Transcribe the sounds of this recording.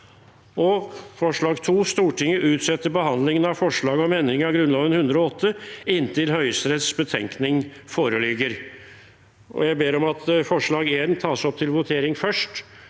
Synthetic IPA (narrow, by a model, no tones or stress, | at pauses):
ʔɔfɔʂɭɑːɡt̪ʰuːst̪uːʈɪŋːəʔʉːt̪sɛt̪ːəɾbəɦɑnd̪lɪŋənɑʋfɔʂɭɑːɡəɔmɛnd̪ɾɪŋɑʋɡɾʉnlɑːʋənhʉnd̪ɾɔɔt̪ʰːəɪnːt̪ʰɪlhœʏsɾɛt̪sbət̪ʰɛŋknɪŋfoːɾəlɪɡːəɾ | ʔɔ̰jæɪbeːɾɔmɑt̪fɔʂɭɑːɡeːɾnt̪ʰɑːsɔp̚ːt̪ʰɪlʋʊt̪ʰeːɾɪŋfœʂʈ